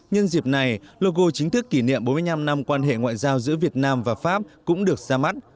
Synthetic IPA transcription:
ɲə˧nzi˨˩p̚na˨˩jlo˧ɣo˧t͡ɕï˨˦ŋ̟t̪ʰɨ˦˥kːi˧˩nḭ˧˨əmɓo˨˦m˧jɲna˧mna˧mkwaː˧nɦḛ˧˨ŋwa̰ː˧˨jzaː˧wzɨ̰˧˥əvi˨˩ət̚naː˧mvaː˨˩faː˦˥p̚kʊ̰˧˥ŋ͡mɗɨ˨˩ək̚zaː˧ma˦˥t̚

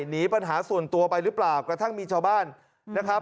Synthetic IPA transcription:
niː˦˥pa˧nɦaː˩˦su˨˩ənt̪u˧ɐpa˧jɾɯː˦˥plaː˨˩wkɾa˧t̪ʰa˥˩ŋmiː˧t͡ɕʰaː˧wbaː˥˩nː | a˦˥kʰa˦˥

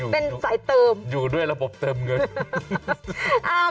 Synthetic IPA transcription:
pe˧nsa˨˩˦jt̪ɤː˧mjuː˨˩du˥˩əjɾa˧bo˨˩p̚t̪ɤː˧mŋɤ˧n | ʔaː˧˩

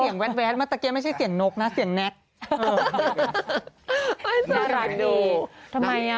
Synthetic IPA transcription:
aː˨˩˦ŋwɛ˦˥wɛː˦˥t̪̚m˦˥˩t̪a˧˩ke˧ma˥˩t͡ɕʰa˥˩jsi˨˩˦əŋno˦˥k̚na˦˥si˨˩˦əŋnɛ˦˥t̪̚ː | a˥˩sa˨˩˦ɾa˨˧˩duː˧t̪ʰa˧mːa˧ja˦˧

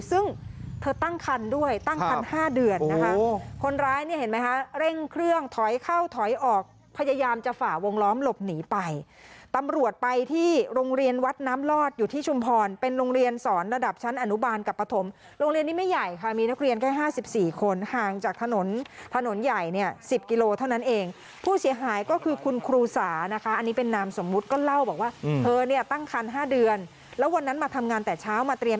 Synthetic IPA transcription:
sɯ˥˩ŋt̪ʰɤː˧t̪a˥˩ŋkʰa˧ndu˥˩əjt̪a˥˩ŋkʰa˧nhaː˥˩dɯ˧ənːa˦˧kʰa˦˥kʰo˧nɾaː˦˥jni˥˩he˩˦ma˦˥jkʰa˦˥ɾe˥˩ŋkʰɾɯ˥˩əŋt̪ʰɔ˩˦jkʰa˥˩wt̪ʰɔ˨˩˦jʔɔː˨˩k̚ | pʰa˧ja˧jaː˧mt͡ɕa˨˩faː˨˩wo˧ŋlɔː˦˥mlo˨˩p̚niː˩˦pa˧j | t̪a˧mɾu˨˩ət̪̚pa˧jt̪ʰiː˥˩ɾoː˧ŋɾi˧ənwa˦˥t̪̚naː˦˥mlɔː˥˩t̪̚juː˨˩t̪ʰiː˥˩t͡ɕʰu˧mpʰɔː˧npe˧nɾoː˧ŋɾi˧ənsɔː˩˦nɾa˧da˨˩p̚t͡ɕʰa˦˥nʔa˧nu˦˥baː˧nka˨˩pːɾa˧t̪ʰo˩˦m | ɾoː˧ŋɾi˧nːiː˦˥˩ma˥˩jːa˨˩jkʰa˦˥˩miː˧na˦˥k̚ɾi˧ənkaː˥˩jɦaː˥˩si˨˩p̚siː˨˩kʰo˧nhaː˨˩ŋt͡ɕaː˨˩k̚t̪ʰa˧no˩˦nt̪ʰa˧no˨˩˦nja˨˩jni˥˩ɐsi˨˩p̚ki˧loː˧t̪ʰa˥˩wna˦˥nʔeː˧ŋ | pʰuː˥˩si˩˦əɦaː˩˦jkɔː˥˩kʰɯː˧kʰu˧nkʰɾuː˧saː˩˦na˦˥kʰa˦˥ʔa˧nːiː˦˥pe˧nːaː˦˥mso˩˦mːu˦˥t̪̚kɔː˥˩la˥˩wbɔː˨˩k̚waː˥˩ʔʰɤː˧ni˥˩ɐt̪a˥˩ŋkʰa˧nɦaː˥˩dɯ˧ən | lɛː˦˥wa˧nːa˦˥nmaː˧t̪ʰa˧mŋaː˧nt̪ɛː˨˩t͡ɕʰaː˦˥wmaː˧t̪ɾi˧

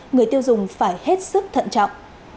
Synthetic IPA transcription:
ŋɨ˨˩əjt̪i˧əwzʊ˨˩ŋ͡mfaː˧˩jhe˦˥t̚sɨ˦˥k̚t̪ʰə̰˧˨nt͡ɕɔ̰˧˨wŋ͡mʔ

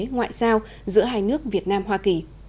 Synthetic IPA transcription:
ŋwa̰ː˧˨jsaː˧w | zɨ̰˧˥əɦaː˧jnɨ˦˥ək̚vi˨˩ət̚naː˧mɦwaː˧ki˨˩

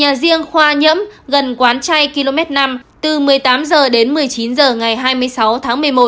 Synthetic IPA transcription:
ɲaː˨˩zi˧əŋxwaː˧ɲə̰˧˥mɣə˨˩nkwaː˨˦nt͡ɕa˧jki˧lo˧mɛ˦˥t̚na˧mt̪ɨ˨˩mɨ˨˩əjt̪aː˨˦mzəː˨˩ɗe˨˦nmɨ˨˩əjt͡ɕi˨˦nzəː˨˩ŋa˨˩jɦaː˧jmɨ˧əjsa˨˦wt̪ʰaː˨˦ŋmɨ˨˩əjmo˨˩t̚

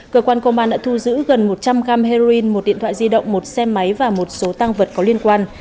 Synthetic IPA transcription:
kəː˧kwaː˧nkə˧wmaː˧nɗa̰ː˧˥t̪ʰu˧zɨ̰˧˥ɣə˨˩nmo˨˩t̚t͡ɕa˧mɣaː˧mɦe˧o˧i˧nmo˨˩t̚ɗḭ˧˨ənt̪ʰa̰ː˧˨zi˧ɗə̰˧˨wŋ͡mmo˨˩t̚sɛ˧ma˨˦jvaː˨˩mo˨˩t̚so˨˦t̪aː˧ŋvə˨˩t̚kɔ˨˦li˧ənkwaː˧n

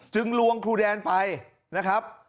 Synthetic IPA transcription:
t͡ɕɯ˧ŋlu˧əŋkʰuː˧˩dɛː˧npa˧j | na˦˥kʰɾa˦˥p̚

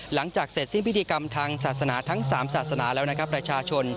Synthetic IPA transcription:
la˩˦ŋt͡ɕaː˨˩k̚se˨˩t̪̚si˥˩npʰi˦˥t̪ʰiː˧ka˧mt̪ʰaː˧ŋsaː˨˩t̪̚sa˧naː˩˦t̪ʰa˦˥ŋsaː˩˦msaː˨˩t̪̚sa˧˥naː˩˦lɛː˦˥wna˥kʰɾa˦˥pːɾa˧t͡ɕʰaː˧t͡ɕʰo˧n

